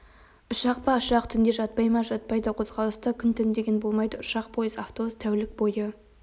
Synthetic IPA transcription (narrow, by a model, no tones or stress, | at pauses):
ʊʃɑqpɑʊʃɑqt̪ʰʏnd̪e̞ʒɑt̪̚pɑjmɑʒɑt̪̚pɑjd̪əqʰo̞zʁɑlˠəst̪əkʲʰʏnt̪ʰʏnd̪e̞ɡʲenbo̞lˠmɑjd̪əʊʃɑq̚pʰo̞jəzaft̪o̞st̪ʰæwlɪk̚bo̞jə